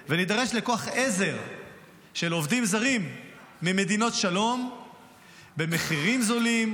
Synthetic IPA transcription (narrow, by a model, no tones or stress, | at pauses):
venid̪aʁe̞ʃleko̞aχeze̞ʁ | ʃe̞lo̞vd̪imzaʁimː | ime̞d̪ino̞tʃalo̞m | be̞me̞χiʁimzolim